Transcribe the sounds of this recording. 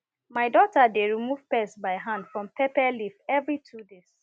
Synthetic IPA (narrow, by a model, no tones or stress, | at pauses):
maɪdɔtadeɹimuv̥pɛsbaɪɦãndfɹɔ̃mpɛpɛlifɛvɹitʰudes